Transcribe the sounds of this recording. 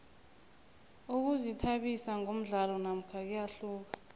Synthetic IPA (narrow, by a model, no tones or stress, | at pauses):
uk̬uzitʰaɓisaŋom̩ɮalɔnam̩kʰak̬ɛjaɬuːk̬ḁ